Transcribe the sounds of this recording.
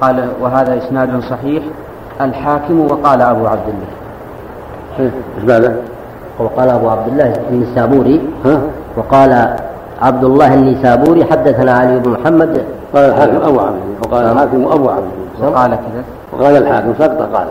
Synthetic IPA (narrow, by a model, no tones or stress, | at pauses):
qɑːlawɪɦaːðaʔɪsnaːd̪sˤɑħiːħ | ʔalħaːkɪmwɑqɑːlaʔabuʕab̚d̪ɪlːaː | iːɪʃmad̪a | wɑqɑːlaʔabuʕab̚d̪ɪlːaːhʔɪnːisaːbuːɾiha | wɑqɑːla | ʕab̚d̪ʊlˤːɑːhʔɪnːisaːbuːɾiħad̪ːaθanaʕalijːɪbnmʊħamːad̪qɑːlalħaːkɪmʔabuʕa̰bd̪ɪlːawqɑːlaaːkɪmʔabuʕa̰bd̪ɪlːaqɑːlakaða | wqɑːlalħaːkɪmsˤɑqt̪ˤɑqɑ̰ːla